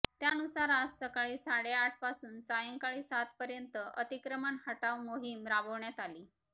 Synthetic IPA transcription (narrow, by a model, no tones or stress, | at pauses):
t̪janusaɾassəkaɭiːsaɽeaʈ̚ʰpasuːnsajəŋkaɭiːsat̪pəɾjənt̪əʔət̪ikɾəmanhəʈaʋmoɦimɾabəʋɳjat̪aliː